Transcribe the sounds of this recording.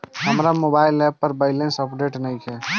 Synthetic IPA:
ɦəmɾamoːbaːɪlɛp̚ːəɾbaɪlẽnsəpɖeːʈnəĩɛː

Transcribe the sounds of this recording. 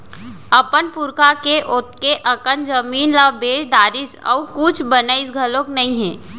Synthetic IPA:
ɐpənpuɾkakeʔot̪keʔɐkənd͡ʒəmiːnlaːbeːʃɖ̪aːɾisə̰ukʊt͡ʃʰbənəɪs̬ɡʱəlõknɐĩɦɛ̃ː

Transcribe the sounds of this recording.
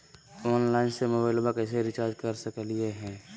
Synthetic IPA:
ɔːnlaːɪnsemobaːɪlbakɛs̬eɾɪt͡ʃaːɾd͡ʒkəɾsəklieɦɛ̃ː

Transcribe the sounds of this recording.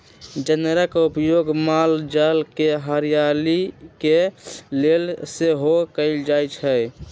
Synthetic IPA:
d͡ʒənɾəkupjoːɡmaːld͡ʒalkeɦəɾijalikelelseɦokəɪld͡ʒaːjt͡ʃʰə

